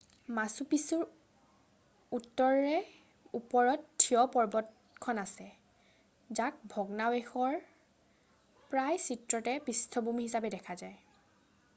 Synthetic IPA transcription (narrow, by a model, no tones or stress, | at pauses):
masupisuɹ | utːɔɹɹɛ | upɔɹɔttʰːijɔpɔɹbɔt | kʰɔnasɛ | zak̚bʱɔɡnawexɔɹ | pɹajsitɹɔtɛpistʰɔbumihisapɛdɛkʰazaj